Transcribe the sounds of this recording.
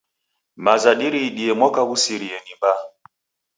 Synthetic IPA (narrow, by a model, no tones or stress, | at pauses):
mazaɗiɾiɗiɛmwɔkaɣusiɾiɛnimba